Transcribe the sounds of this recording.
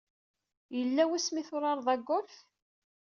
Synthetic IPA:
jəlːæwæsmiθʊɾˤɑɾˤðˤɑɡːʊlf

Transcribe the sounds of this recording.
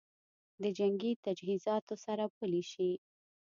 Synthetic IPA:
d̪əd͡ʒaŋɡit̪ad͡ʒɦizɑt̪osaɾapəliʃi

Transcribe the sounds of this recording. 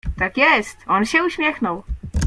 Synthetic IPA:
t̪akjɛst̪ʔonʃɛuʃmjɛxnul

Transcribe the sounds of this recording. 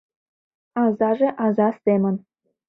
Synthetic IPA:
ɑzɑʐĕʔɑzɑst̪emʲɘ̆n

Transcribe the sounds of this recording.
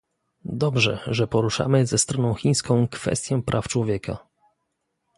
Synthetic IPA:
d̪ɔbʐɛ̰ʐɛpɔɾuʂa̰mɘzɛst̪ɾɔnɔ̃w̃xʲij̃skɔ̃w̃kfɛ̰st̪ʲjɔ̃pɾʔaft͡ʂwɔvʲjɛkʰa̰

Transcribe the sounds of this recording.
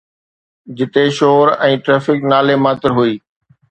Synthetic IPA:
d͡ʑɪt̪eʃoːɾɛ̃ːʈɾɛːfɪknaːlemaːt̪ɪɾɦʊiː

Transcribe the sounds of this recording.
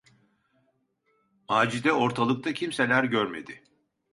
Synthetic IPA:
maːd͡ʒid̪ɛo̞ɾt̪ʰalˠɯk̚t̪ʰacʰimselʲæɾɟøɾme̞̰d̪ɪ

